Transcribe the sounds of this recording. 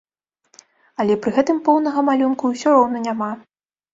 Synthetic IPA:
ɐlʲɛpɾɨɣɛt̪ɨmpɔwnɐɣɐmalʲunkuwsʲɔɾɔwnɐnʲama

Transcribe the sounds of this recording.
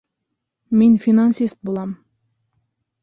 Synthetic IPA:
mʲinʲfʲinansʲist̪̚bulˠɑm

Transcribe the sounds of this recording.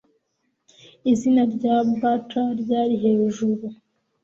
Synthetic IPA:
izinaɾɟabataɾɟaːɾiɦeːʒuɾu

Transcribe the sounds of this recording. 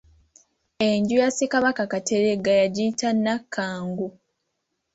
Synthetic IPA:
e̞ɲɟujasikaβakakateɾeɡajaɟiːtanːakʰːaːŋɡu

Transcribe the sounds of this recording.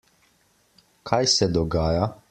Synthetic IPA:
kʰajsɛd̪ɔɡaːja

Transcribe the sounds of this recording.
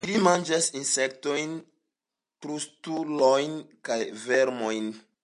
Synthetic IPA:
limand͡ʒasinsek̚to̞jn | pɾustulojnkajveɾmojn

